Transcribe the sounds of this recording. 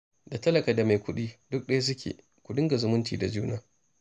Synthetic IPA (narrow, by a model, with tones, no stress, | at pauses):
da˨tɐ˦lɐ˨kaː˨da˨ma˨jkʷʊ˦ɗiː˦dʊ˦k̚ɗa˦js̬ʊ˦kʲḛː˨ | kʷʊ˨dɪ˦ŋɡa˨zʊ˦mʊ˦ntḭː˨da˨d͡ʒuː˦naː˦